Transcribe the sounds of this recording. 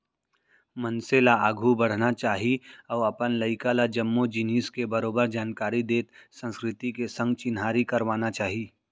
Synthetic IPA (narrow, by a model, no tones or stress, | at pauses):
mɐnselaaːɡʱubɐɽ̤nat͡ʃaːɦiɔːɾɐpənlɐɪkalad͡ʒɐmːud͡ʒɪniːskebɐɾoːbəɾd͡ʒaːnkaːɾid̪eːt̪sə̃nskɾɪt̪ikesɐ̃ŋɡt͡ʃɪnɦaːɾikɐɾʋaːnat͡ʃaːɦiː